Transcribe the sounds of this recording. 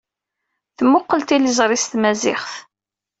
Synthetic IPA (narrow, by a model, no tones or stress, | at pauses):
θmʊqːəlt̪ilizˤɾˤist̪mæzɪχθ